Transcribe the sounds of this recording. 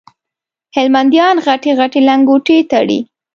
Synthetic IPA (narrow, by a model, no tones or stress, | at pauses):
hɪlmand̪jɑnɣaʈeɣaʈelaŋɡoʈet̪aɽḭ